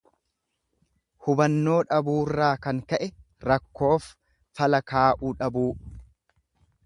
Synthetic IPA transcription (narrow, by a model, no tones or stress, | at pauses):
hʊbɐnːo̞ːᶑɐbuːrːaːkɐŋkɐʔɛ | ɾɐkːo̞ːf | fɐlɐkaːʔuːᶑɐbuː